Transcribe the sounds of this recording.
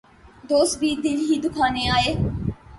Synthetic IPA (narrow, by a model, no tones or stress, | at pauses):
d̪oːsbiːd̪ilɦiːd̪ukʰaːneaːe